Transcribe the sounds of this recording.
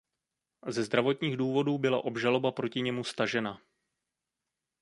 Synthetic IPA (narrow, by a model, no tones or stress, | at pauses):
zɛzd̪ɾavo̞t̪ɲiːɣduːvo̞duːbɪla̰ʔo̞bʒalo̞bapɾo̞cɪɲɛmust̪aʒɛna